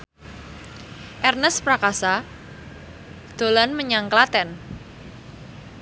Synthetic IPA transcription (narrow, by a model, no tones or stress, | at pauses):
ʔɛrnəspɾakasa | d̪̥o̤lanməɲaŋklat̪ɛn